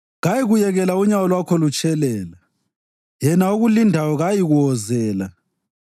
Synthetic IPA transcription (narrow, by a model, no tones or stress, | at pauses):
ɣajiɣujɛɣɛlauɲawɔlwakʰɔlut͡ʃʼɛlɛːla | jɛnauɣulindʱawɔɣajiɣuɔzɛːla